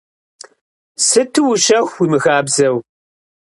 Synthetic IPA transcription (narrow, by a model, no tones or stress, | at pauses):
sɨtʰɨwʊʃɐxʷwimɨɣaːbzɐw